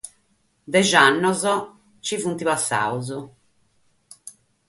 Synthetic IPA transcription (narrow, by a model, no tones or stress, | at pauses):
d̪ɛʒanːɔzɔ | t͡ʃivunt̪iβasːa̰uzu